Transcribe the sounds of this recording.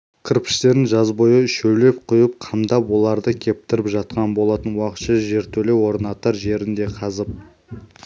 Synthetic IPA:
kʲʰɪɾpɪ̥st̪e̞ɾɪnʒɑzbo̞jəʏʃɵwle̞p̚qʰʊjəp̚qʰɑmd̪ɑpwo̞lˠɑɾd̪əkʲʰe̞p̚t̪ɪɾɪpʒɑt̪̚qɑnbo̞lˠɑt̪ənwɑqət̪ʃɑʒe̞ɾt̪ʰɵle̞wo̞ɾnɑt̪əɾʒe̞ɾɪnd̪e̞qʰɑzəp̚

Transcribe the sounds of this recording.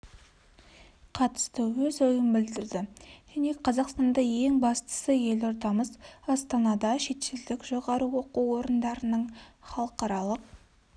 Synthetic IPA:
qʰɑt̪ə̥st̪əwɵzo̞jəmbɪld̪ɪɾd̪ɪʒ̥æne̞qʰɑzɑqst̪ɑnd̪ɑje̞ŋbɑst̪ə̥səje̞lo̞ɾd̪ɑməzɑst̪ɑnɑd̪ɑʃe̞t̪ʃɪld̪ɪkʒo̞ʁɑɾuwoquwo̞ɾənd̪ɑɾənəɴχɑlˠəqɑɾɑlˠəq̚

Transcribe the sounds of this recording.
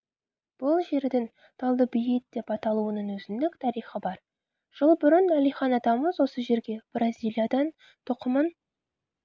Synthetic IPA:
b̥ʊlˠʒe̞ɾd̪ɪŋ | t̪ʰɑlˠd̪əbɪjɪt̪̚d̪̥e̞pɑt̪ɑlˠuənənwɵzɪnd̪ɪkt̪ʰɑɾijχəbɑɾ | ʒ̥əlˠbʏɾɪnælijχɑnɑd̪ɑməzwo̞səʒe̞ɾɡʲe̞b̥rʔɑzʲijlˠijad̪ɑn | t̪ʰʊqəmən

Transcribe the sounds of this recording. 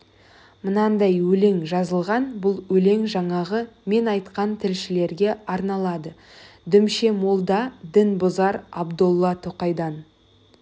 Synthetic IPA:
mənɑnd̪ɑjwɵle̞ŋʒɑzəlˠʁɑnbʊlˠwɵle̞ŋʒɑɴɑʁəme̞nɑjt̪qɑnt̪ʰɪlʃɪle̞ɾɡʲe̞ɑɾnɑlˠɑd̪ə | d̪ʏmʃe̞molˠd̪ɑd̪ɪnbozɑɾɑbd̪olˠːɑt̪ʰoqɑjd̪ɑn

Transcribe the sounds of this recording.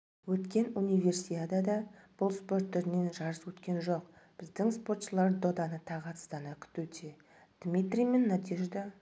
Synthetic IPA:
wɵt̪kʲe̞nunijve̞rsijad̪ɑd̪ɑb̥ʊlˠspo̞rt̪ʰːʏɾɪne̞nʒɑɾəswɵt̪kʲe̞nʒo̞qb̥ɪzd̪ɪŋspo̞rt̪ʃəlˠɑɾd̪o̞d̪ɑnət̪ʰɑʁɑt̪st̪ɑnɑkʲʰʏ̥t̪ut̪e | d̪̥mʲit̪rʲijme̞nːɑt̪iʒed̪ɑ

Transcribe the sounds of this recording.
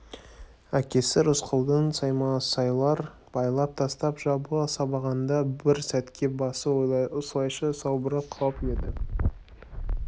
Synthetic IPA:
ækʲe̞sɪɾʊsqʰəlˠd̪ənsɑjmɑsɑjlˠɑɾ | b̥ɑjlˠɑp̚t̪ʰɑst̪ɑpʒɑbsɑbɑʁɑnd̪ɑbɪɾsæt̪kʲe̞bɑsəʊslˠɑjʃəsɑwbəɾəqʰːɑped̪ɪ

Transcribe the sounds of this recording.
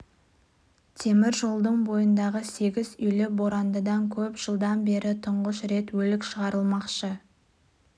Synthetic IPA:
t̪ʰe̞mɪɾʒo̞lˠd̪əɴbo̞jənd̪ɑʁəse̞ɡʲɪzʏjlɪbo̞ɾɑnd̪əd̪ɑŋkʲʰɵpʒ̥əlˠd̪ɑnbe̞ɾʔɪt̪ʰʊɴʁəʃɾe̞t̪wɵlɪkʃəʁɑɾəlˠmɑqʃə

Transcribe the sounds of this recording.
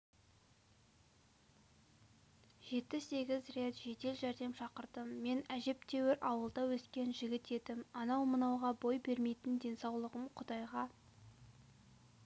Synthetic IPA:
ʒ̥e̞t̪̚ɪse̞ɡʲɪzre̞t̪ʒ̥e̞t̪e̞lʒæɾd̪e̞mʃɑqəɾd̪əmːe̞næʒe̞p̚t̪ʰe̞wɪɾʔɑwəlˠd̪ɑwɵskʲe̞nʒɪɡʲɪt̪e̞d̪ɪmɑnɑwmənɑwʁɑbo̞jbe̞ɾme̞jt̪ɪnd̪e̞nsɑwlˠəʁəmqʰʊd̪ɑjʁɑ

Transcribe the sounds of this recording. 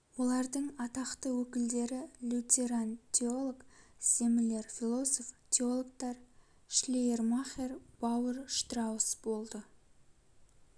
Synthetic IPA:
wo̞lˠɑɾd̪əɴɑt̪ɑqt̪əwɵkʲɪld̪e̞ɾɪlʲut̪ʲeɾant̪ʲeolˠoksemɪle̞ɾfʲilˠo̞soft̪ʲeo̞lˠok̚t̪ɑɾ | ʃlʲejermaχerbɑwəɾʃt̪rɑwəsbo̞lˠd̪ə

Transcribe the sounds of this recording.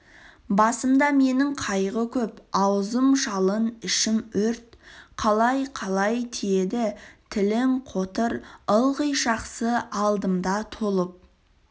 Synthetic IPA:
bɑsəmd̪ɑme̞nɪŋqʰɑjʁəkʲʰɵpɑwzəmʒɑlˠənɪʃɪmɵɾt̪qʰɑlˠɑjqʰɑlˠɑjt̪ʰijed̪ɪt̪ʰɪlɪŋqʰot̪əɾəlˠʁəjʒɑqsəɑlˠd̪əmd̪ɑt̪ʰolˠəp̚

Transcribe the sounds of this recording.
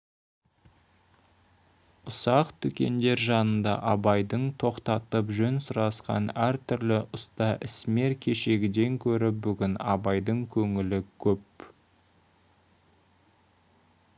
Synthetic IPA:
ʊsɑqt̪ʰʏkʲe̞̰nd̪e̞ɾʒɑnənd̪ɑ̰ʔɑbɑjd̪əɴt̪ʰo̞qt̪ɑt̪əpʒɵnsʊɾɑsqɑ̰næɾt̪ʰʏɾlɪʔʊst̪ɑʔɪsme̞ɾkʲʰe̞ʃe̞ɡʲɪd̪e̞ŋkʲʰɵɾɪp̚bʏɡʲɪnɑbɑjd̪əɴkʲʰɵŋɪlɪkʲʰɵp̚

